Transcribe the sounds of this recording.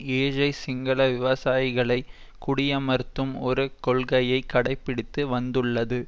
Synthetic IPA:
eːɻɐɪsɪŋɡɐɭɐʋɪʋɐsaːjɪɣɐɭɐɪ | kʊɽɪjɐmɐɾt̪ːɯmɔɾɯkɔlɣɐjɐɪkːɐɽɐɪpːɪɽɪt̪ːɯʋɐnd̪ɯɭːɐðɯ

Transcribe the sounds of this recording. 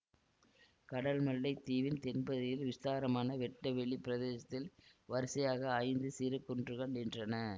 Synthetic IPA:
kɐɽɐlmɐɭːɐɪt̪iːʋɪnt̪ɛnbɐðɐjɪlʋɪst̪aːɾɐmaːnɐʋɛʈːɐʋɛɭipɪɾɐðeːsɐt̪ːɪlʋɐɾsɐjaːɣɐɐɪnd̪ɯsiːɾɯkːɔndrɯkɐɳɛndrɐnɐ

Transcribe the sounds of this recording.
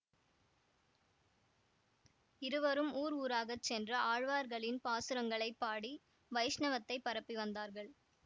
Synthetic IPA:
ɪɾɯʋɐɾɯmuːɾuːɾaːɣɐt͡ʃːɛndrɐʔaːɻʋaːɾɣɐɭɪnpaːsɯɾɐŋɡɐɭɐɪpːaːɽi | ʋɐɪʂɳɐʋɐt̪ːɐɪpːɐɾɐpːiʋɐnd̪aːɾɣɐɭ

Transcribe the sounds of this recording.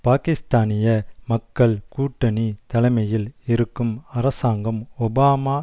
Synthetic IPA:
paːkɪst̪aːnɪjɐmɐkːɐɭkuːʈːɐnit̪ɐlɐɪmɐjɪlɪɾɯkːɯmɐɾɐsaːŋɡɐmɔbaːmaː

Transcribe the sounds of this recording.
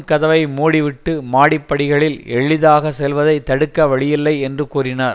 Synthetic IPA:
kɐðɐʋɐɪmuːɽɪʋɪʈːɯmaːɽɪpːɐɽɪɣɐɭɪlɛɭːɪðaːɣɐsɛlʋɐðɐɪt̪ːɐɽɯkːɐʋɐɭɪjɪlːɐɪɛndrɯkuːrɪnaːɾ

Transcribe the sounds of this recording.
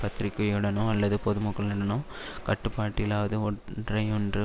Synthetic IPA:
pɐt̪ːɾɪkːɐjɯɽɐnõɐlːɐðɯpɔðɯmɐkːɐɭnɐɽɐnõ | kɐʈːɯpːaːʈːɪɪlaːʋɐðɯɔdrɐɪɔndrɯ

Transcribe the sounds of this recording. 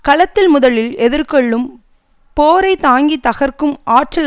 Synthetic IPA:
kɐɭɐt̪ːɪlmʊðɐlɪlɛðɪɾkɔɭːɯm | poːɾɐɪt̪aːŋɡit̪ːɐɣɐrkɯmʔaːʈrɐl

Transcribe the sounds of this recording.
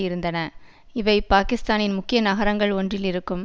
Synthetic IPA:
ɪɾɯnd̪ɐnɐ | ɪʋɐɪpaːkɪst̪aːnɪnmʊkːɪjɐnɐɣɐɾɐŋɡɐɭɔndrɪlɪɾɯkːɯm

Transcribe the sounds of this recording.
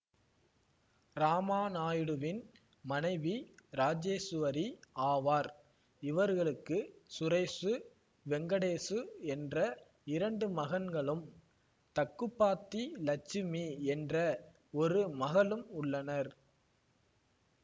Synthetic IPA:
ɾaːmaːnaːjɯɽɯʋɪn | mɐnɐɪʋiɾaːd͡ʒeːsɯʋɐɾiaːʋaːɾ | ɪʋɐɾɣɐɭɯkːɯsʊɾɐɪsɯ | ʋɛŋɡɐɽeːsɯɛndrɐ | ɪɾɐɳɖɯmɐɣɐnɡɐɭɯm | t̪ɐkːɯpːaːt̪ːilɐt͡ʃːɪmiɛndrɐ | ɔɾɯmɐɣɐlɯmʊɭːɐnɐɾ

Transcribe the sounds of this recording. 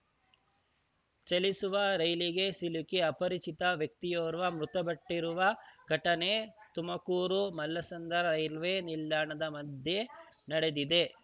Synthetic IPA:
t͡ʃɐlisuʋɐɾɐjliɡesilukiɐpɐɾit͡ʃit̪ɐʋjɐk̚t̪ijoːɾʋɐmɾut̪ɐbɐʈːiɾuʋɐɡ̥ɐʈɐnet̪umɐkuːɾumɐlːɐsɐnd̪ɐɾɐɾɐjlʋeːnilːaːɳɐd̪ɐmɐd̪ʱje̞ | nɐɽed̪id̪e̞

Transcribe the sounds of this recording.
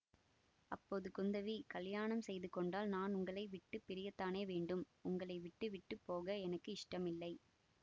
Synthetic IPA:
ɐpːoːðɯkʊnd̪ɐʋikɐljaːɳɐmsɛjðɯkːɔɳɖaːlnaːnʊŋɡɐɭɐɪʋɪʈːɯpːɪɾɪjɐt̪ːaːneːʋeːɳɖɯm | ʊŋɡɐɭɐɪʋɪʈːɯʋɪʈːɯpːoːɣɐɛnɐkːɯɪʂʈɐmɪlːɐɪ

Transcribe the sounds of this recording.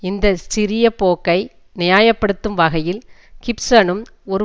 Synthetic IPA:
ɪnd̪ɐsɪɾɪjɐpoːkːɐɪ | nɪjaːjɐpːɐɽɯt̪ːɯmʋɐɣɐjɪlkɪpsɐnɯm | ɔɾɯ

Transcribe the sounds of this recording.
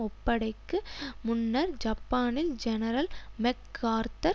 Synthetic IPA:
ɔpːɐɽɐɪkːɯmʊnːɐɾd͡ʒɐpːaːnɪld͡ʒɛnɐɾɐlmɛkːaːɾt̪ɐ

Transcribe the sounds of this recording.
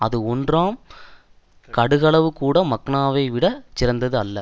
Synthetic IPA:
ɐðɯɔndraːm | kɐɽɯɣɐɭɐʋɯkuːɽɐmɐkːɳaːʋɐɪʋɪɽɐt͡ʃɪɾɐnd̪ɐðɯɐlːɐ

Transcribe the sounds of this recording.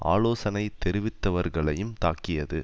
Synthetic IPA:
a̰ːloːsɐnɐɪt̪ɛɾɪʋɪt̪ːɐʋɐɾɣɐɭɐjɯmt̪aːkɪjɐðɯ

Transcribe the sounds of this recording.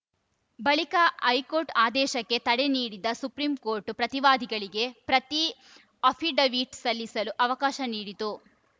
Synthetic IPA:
bɐɭikɐɐjkoːɾʈaːd̪ɛːʃɐkːe̞t̪ɐɽeniːɽid̪ɐsupɾimko̞ːɾʈpɾɐt̪iʋaːd̪ʱiɡɐɭiɡe̞pɾɐt̪i | ɐpʰiɖɐʋiːʈsɐlːisɐluʔɐʋɐkaːʃɐniːɽit̪u

